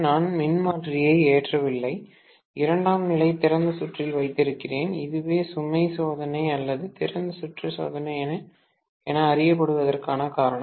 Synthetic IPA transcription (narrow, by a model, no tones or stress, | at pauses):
naːnmɪnmaːʈrɪjɐɪeːʈrɐʋɪlːɐɪ | ɪɾɐɳɖaːmnɪlɐɪt̪ɪɾɐnd̪ɯsʊʈrɪlʋɐɪt̪ːɪɾɯkːɪreːnɪðɯʋeːsʊmɐɪsoːðɐnɐɪɐlːɐðɯt̪ɪɾɐnd̪ɯsʊʈrɐso̰ːðɐnɐɪɛnɐ | ɛnɐːɾɪjɐp̬ːɐɽɯʋɐðɐrkaːnɐkaːɾɐɳɐ̃